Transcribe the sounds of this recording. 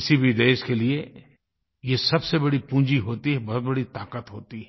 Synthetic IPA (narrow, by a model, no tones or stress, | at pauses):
ɪsibʱid̪eːʃkelie | jesɐbsebɐɽipũːd͡ʒiɦoːt̪iɦɛbɔɦɔt̪̚bɐɽit̪aːkət̪ɦoːt̪iɦɛ